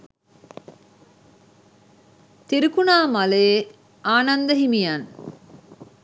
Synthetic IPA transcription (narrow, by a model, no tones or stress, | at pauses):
t̪iɾikunaːmale | aːnand̪əɦimijan